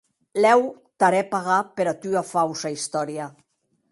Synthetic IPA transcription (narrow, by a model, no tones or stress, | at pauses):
lɛw | t̪aɾɛpaɣapeɾat̪yafawsaist̪ɔɾja